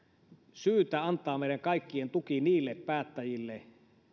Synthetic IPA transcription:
syːt̪æɑnt̪ˑɑːmeˑiɾæŋkɑˑikːient̪ukiniːlːeppæːt̪ːæjilːe

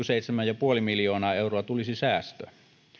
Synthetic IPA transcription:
yseˑit̪semæjɑpuolimiljoːnɑːeˑuroɑt̪ulisisæːst̪ø̰

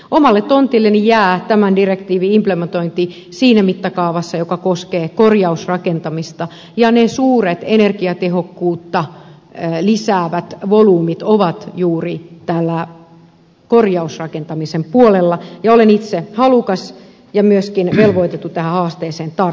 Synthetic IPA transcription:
ʔomɑlːet̪t̪ont̪ilːenːijæːt̪æmændirekt̪iːʋiimplement̪oint̪i | siːnæmit̪ːɑkɑuʋɑsːɑjokɑkoskeːkorjɑusrɑkent̪ɑmist̪ɑ | jɑnesuːret̪enerkiɑt̪ehokːuːt̪ːɑ | lisæːʋæt̪ʋoluːmit̪oʋɑt̪juːrit̪ælːæ | korjɑusrɑkent̪ɑmisempuolelːɑjɑolenit̪sehɑlukɑs | jɑmyøskinʋelʋoit̪et̪ːut̪æhæhɑːst̪eːseːnt̪ɑ

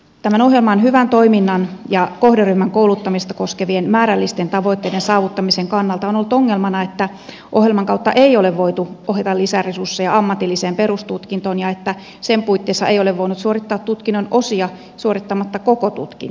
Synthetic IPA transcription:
t̪æmænoɦjelmɑonhyʋænt̪oiminːɑnjɑkohderyhmæŋkoulut̪ːɑmist̪ɑko̞skeʋienmæːɾælːist̪ent̪ɑʋo̞it̪ːeidensɑːʋut̪ːɑmiseŋkɑnːɑlt̪ɑonolːut̪oŋːelmɑnɑet̪ːæ | ʔoɦjelmɑŋkɑuwt̪ːɑʔeioleʋʋo̞it̪uoɦet̪ɑlisæresursːejɑɑmːɑt̪ilːiseːmperust̪ut̪kint̪o̞ːnjɑet̪ːæ | sempuit̪ːeːsːɑejo̞leʋʋoinut̪suorit̪ːɑːt̪t̪ut̪kinːoinʔo̞siɑ | suoɾit̪ːɑmɑt̪ːɑkokot̪ṵt̪kḭn

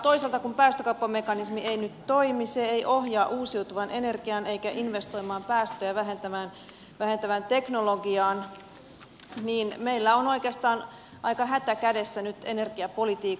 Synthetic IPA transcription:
t̪o̞iselt̪ɑkumpæːst̪økɑupːɑmekɑnismieinyt̪t̪oimiseeiʔohjɑːʔuːsiut̪uʋɑnʔene̞rɡ̥iɑneikæʔinʋest̪oimɑːmpæːst̪øjæʋæɦent̪æmæːn | ʋæhent̪æʋænt̪eknoloɡiɑːn | niːnmeilːæonoikeɑst̪ɑːn | ʔɑikɑɦæt̪ækædesːænyt̪enerɡ̥iɑpolit̪iːk

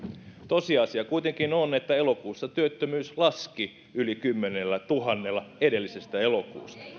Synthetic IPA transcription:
t̪osiɑsiɑkuit̪eŋkinonet̪ːæelokuːsːɑt̪yøt̪ːømyːslɑski | ylikymːenelːæt̪uɦɑnːelːˑɑede̞lːisest̪æelokṵːst̪ɑ̥

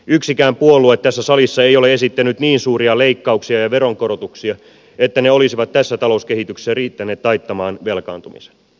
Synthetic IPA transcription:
yksikæːmpuolːˑuet̪t̪ːæsːæsɑlisːɑejole̞e̞sit̪ːænyt̪niːnsuːɾiɑle̞ikːɑuksiɑjɑʋeɾo̞ŋko̞ɾot̪uksiɑ | et̪ːæneo̞lisiʋɑt̪tæsːæt̪ɑlo̞uskehit̪ykse̥særiːt̪ːæneːt̪lɑjt̪ːɑmɑːnʋelkɑ̰ːnt̪umḭse̥n

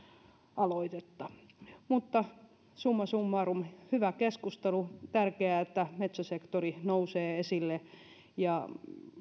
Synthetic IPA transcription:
ʔɑloit̪et̪ːɑ | mut̪ːɑ | sumːɑsumːɑrumhyʋækeskust̪elut̪ærkeæet̪ːæmet̪sæsekt̪orinouseːesilːe | jɑ

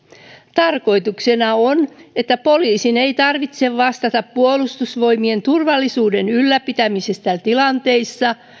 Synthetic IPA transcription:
t̪ɑrko̞jt̪uksenɑone̞t̪ːæpo̞liːsine̞jt̪ɑrʋit̪seʋʋɑst̪ɑt̪ɑppuolust̪usʋo̞jmie̞nt̪urʋɑlːisuːdenylːæpit̪æmisest̪æt̪ilɑnt̪e̞isːɑ

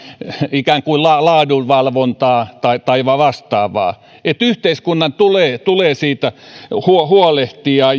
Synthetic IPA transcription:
ikæːŋkuilɑlɑːduʋʋɑlʋont̪ɑːt̪ɑit̪ɑiʋɑʋɑst̪ɑːʋɑ̰ː | et̪yht̪eiskunːɑnt̪uleːt̪uleːsiːt̪æhuohuoleht̪iɑː

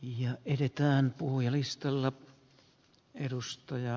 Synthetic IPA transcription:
jɑetet̪æːnpuhujɑlist̪ɑlːɑ | eɾust̪ɑjɑ

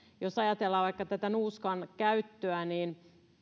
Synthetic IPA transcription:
josɑjɑt̪elːɑːʋɑikːɑt̪æt̪ænuːskɑnkæyt̪ːøæniːn

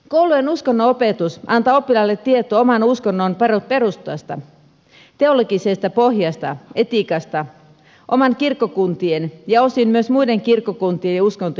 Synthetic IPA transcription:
kowlujenuskonːoope̞t̪usʔɑnt̪ɑo̞pːilɑlːet̪ːiet̪oomɑnuskonːonpeɾut̪̚pe̞ɾust̪oɑst̪ɑ̰ | t̪e̞o̞loɡisest̪ɑpo̞ɦjɑst̪ɑ̰e̞t̪ikɑst̪ɑ | ʔo̞mɑnkirkːokunt̪ienjɑo̞simmyøsmujde̞ŋkirkːokunt̪iejuskont̪o

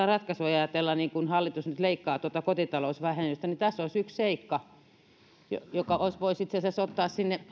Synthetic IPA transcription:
ɑrɑt̪kɑsuɑjɑt̪elːɑniːŋkunhɑlːit̪usnyt̪leikːɑːt̪uot̪ɑkot̪it̪ɑloˑsʋæhenːyst̪ænit̪æsːoisyksseikːɑ | jo̰jokɑoisʋoisit̪sesesot̪ːɑːssinːe

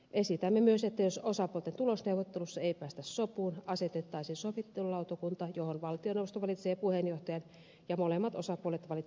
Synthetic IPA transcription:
ʔesit̪æmːemyøset̪ːæjososɑpuolt̪ent̪ulosneuʋot̪ːelusːɑeipæːst̪æssopuːnɑset̪et̪ːɑisiːnsoʋit̪ːelulɑˑut̪okunt̪ɑjohonʋɑlt̪ioneuʋost̪oʋɑlit̪seːpuhenjoht̪ɑjɑn | jɑmolemːɑt̪osɑpuolet̪ʋɑli

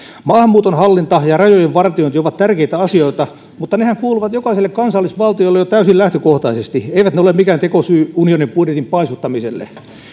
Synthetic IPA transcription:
mɑːhɑmːuːt̪onhɑlːint̪ɑjɑrɑjojeʋʋɑrt̪ioint̪ioʋɑt̪t̪ærkeit̪æɑsioit̪ɑ | mut̪ːɑnehæŋkuːluʋɑt̪jokɑiselːekkɑnsɑlːisʋɑlt̪iolːejot̪æysilæht̪økoht̪ɑisest̪ieiʋæt̪neolemikæːnt̪ekosyːunionimpudjet̪impɑisut̪ːɑmiselːḛ

